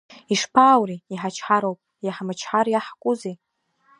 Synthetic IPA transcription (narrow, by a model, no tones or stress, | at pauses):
iʂpʰaːwriiħat͡ʃʰħaɾowpʼ | jaħamat͡ʃʰħaɾjaħkʷʼʊze